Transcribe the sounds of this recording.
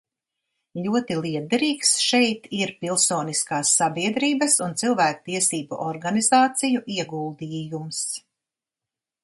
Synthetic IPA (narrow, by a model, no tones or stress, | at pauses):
ʎʲuɔt̪ilˠiɛd̪ɛɾiːksʃɛjt̪iɾpilˠsoːniskaːsːabiɛd̪ɾiːbɐsunt̪silˠvæːk̚t̪iɛsiːbuʔɔɾɡanizaːt̪sijuʔiɛɡuːlˠd̪iːjums